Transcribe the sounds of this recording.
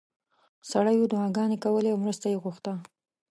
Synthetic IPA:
saɽajod̪ʊɑɡɑnekawəleawmɾust̪ajeɣuxt̪a

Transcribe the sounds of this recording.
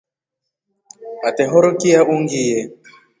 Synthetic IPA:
atɛɦɔɾokiaʔuŋɡijɛ

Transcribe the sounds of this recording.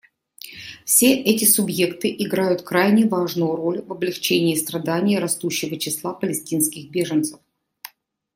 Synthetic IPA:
fsʲe̞ʔɛtʲɪsʊbje̞kt̪ɨʔɪɡɾajʊt̪kɾajnʲɪvaʐnʊjʊɾo̞lʲvɐblʲɪxt͡ɕenʲɪːst̪ɾɐd̪anʲɪjəɾɐst̪uɕːɪvət͡ɕɪslˠapəlʲɪsʲtʲinskʲɪxbʲe̞ʐɨnt̪sə̥f

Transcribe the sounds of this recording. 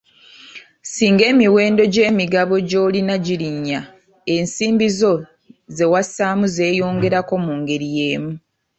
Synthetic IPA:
siːŋɡe̞ːmiwe̞ːndo̞ɟe̞ːmiɡaβo̞ɟo̞ːlinaɟiɾiɲːa | e̞nsiːmbizo̞ | ze̞wasaːmuze̞ːjo̞ːŋɡe̞ɾako̞muːŋɡe̞ɾije̞ːmu

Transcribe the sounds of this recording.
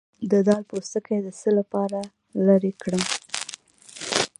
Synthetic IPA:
d̪əd̪ɑlpost̪əkajd̪əsəlapɑɾa | laɾekɽəm

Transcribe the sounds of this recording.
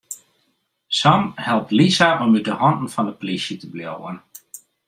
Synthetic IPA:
sɑmhɛlˠp̚tlisaʔɔmydəhɔndn̩fɑndəpolisjətəbjowən

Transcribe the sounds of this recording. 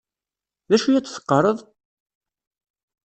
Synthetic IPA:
ðæʃujæt͡sːθə̥qːəɾˤəðˤ

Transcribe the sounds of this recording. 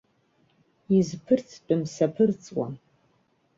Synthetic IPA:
izpʰɨrtʰt͡pʼɨmsɐpʰɨrt͡sʼwa̰n

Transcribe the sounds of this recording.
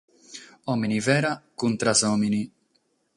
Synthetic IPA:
ɔminivɛːɾakunt̪ɾasɔːmini

